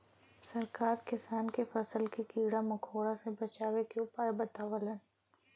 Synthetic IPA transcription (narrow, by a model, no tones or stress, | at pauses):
sɐɾkaːɾkɪsaːnkefɐsəlkikiːɽamɐkʰoːɽasebɐt͡ʃaːʋekeʊpaːebɐt̪aːʋələn